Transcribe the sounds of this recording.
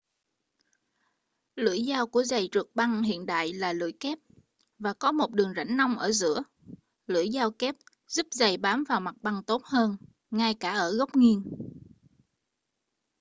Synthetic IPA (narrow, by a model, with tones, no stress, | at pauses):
lɨ̰˧˩əjzaː˧wku˧˩əza˨˩jt͡ɕɨ˨˩ək̚ɓa˧ŋhḭ˧˨ənɗa̰ː˧˨jlaː˨˩lɨ̰˧˥əjkɛ˦˥p̚ | vaː˨˩kɔ˨˦mo˨˩t̚ɗɨ˨˩əŋza̰˧˩jŋ̟na˧wŋ͡mʔəː˧˩zɨ̰˧˥ə | lɨ̰˧˥əjzaː˧wkɛ˦˥p̚ | zu˦˥p̚za˨˩jɓaː˨˦mvaː˨˩wma˨˩t̚ɓa˧ŋt̪o˦˥t̚həː˧n | ŋa˧jkaː˧˩ʔəː˧˩ɣə˦˥k͡p̚ŋi˧ən